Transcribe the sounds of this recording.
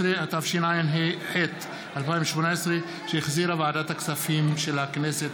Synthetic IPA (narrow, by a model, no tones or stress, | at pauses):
ʁeat̪afʃinajenɦiħet̪ | ʔalpaĩveʃmonaesʁe | ʃejeχziɾhavaʕad̪at̪haksafimʃelakneset̪